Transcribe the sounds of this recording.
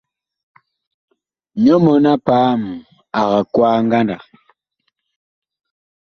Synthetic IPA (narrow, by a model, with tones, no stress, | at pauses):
ɲɔ˦mɔ˨na˦paː˨˦m˨ | a˨ɣa˨kwaː˦ŋ˦ɡa˦nda˨